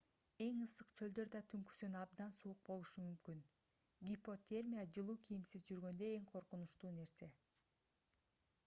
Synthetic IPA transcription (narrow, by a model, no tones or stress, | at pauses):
e̞ŋɯsɯqt͡ʃʰø̞ld̪ø̞ɾd̪ɑt̪ʰyŋky̥synɑb̚d̪ɑnsuuq̚bo̞lˠuʃumymkyn | ɡʲipo̞t̪ʲe̞rmʲijad͡ʒɯlˠuːkʰijimsizd͡ʒyɾɡø̞nd̪ø̞e̞ŋqʰo̞ɾqunuʃt̪uːne̞ɾse̞